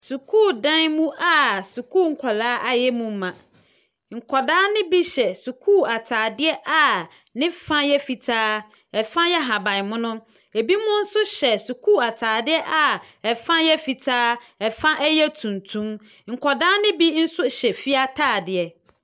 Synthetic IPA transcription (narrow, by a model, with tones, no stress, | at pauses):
su˨kʰuː˦˨dã˦nmũ˦ʔa˦˨su˨kʰuː˦˨ŋ̩˨kʰɔ˨laː˦ʔa˨jɛ˦mũ˦m˦mːã˨ | ŋ̩˨kʰɔ˨daː˦nɪ̃˦bi˦ɕɛ˨su˨kʰuː˦˨a˨tʰaː˨dɪ˦ɛ˦ʔa˨ | nɪ̃˦fã˦jɛ˦fi˨tʰaː˦ | ɛ˨fã˦jɛ˦ɦa˨bã˨nmʊ̃˦nʊ̃˦ | e˨bi˦mʊ̃˦n̩˦sʊ˦ɕɛ˨su˨kʰuː˦˨a˨tʰaː˨dɪ˦ɛ˦ʔa˨ | ɛ˨fã˦jɛ˦fi˨tʰaː˦ɛ˨fã˦ʔɛ˦jɛ˦tʰũ˨ntʰũ˦m | ŋ̩˨kʰɔ˨daː˦nɪ̃˦bi˦n̩˦sʊ˦ɕɛ˨fi˦a˦tʰaː˦˨dɪ˨ɛ˨